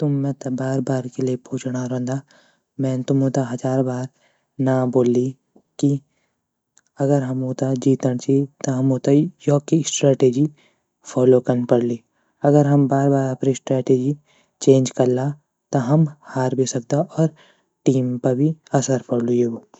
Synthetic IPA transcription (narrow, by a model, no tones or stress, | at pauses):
t̪ʊmːɛ̃t̪ɐbaːɾbaːɾkeliepʰoːt͡ʃɽ̃aɾõːnd̪a | mɛ̃ːnt̪ʊmoːt̪aɦɐd͡ʒaːɾbaːɾ | naboːli | ki | ɐɡəɾɦɐmoːt̪ad͡ʒiːt̪əɽ̃t͡ʃit̪ɐɦɐmoːt̪ajɔːkisʈɾɛːʈeːd͡ʒi | fʰɔːlokɐɾnpɐɽliː | ɐɡəɾɦɐmbaːɾbaːɾɐpɾisʈɾɛːʈeːd͡ʒi | t͡ʃẽːnd͡ʒkɐɾla | t̪ɐɦɐmhaːɾbʱisɐk̚d̪aʔɔːɾ | ʈiːmpɐbʱiɐsəɾpɐɽlujeɡoː